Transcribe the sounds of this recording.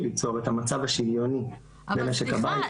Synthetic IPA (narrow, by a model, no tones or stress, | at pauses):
lit͡soʁet̪hamat͡savhaʃivjo̞ni | bemeʃekabai